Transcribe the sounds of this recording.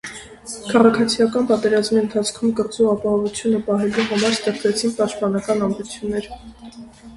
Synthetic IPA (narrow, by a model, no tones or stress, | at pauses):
kʰɑʁɑkʰɑt͡sʰijɑkɑnpɑt̪ɛɾɑzmiənt̪ʰɑt͡sʰkʰumkəɾt͡suɑpɑɦɔvut͡sʰjunəpɑɦɛluɦɑmɑɾst̪ɛχt͡sɛt͡sʰinpɑʃt̪̚pɑnɑkɑnɑmd̪ut͡sʰjunːɛɾ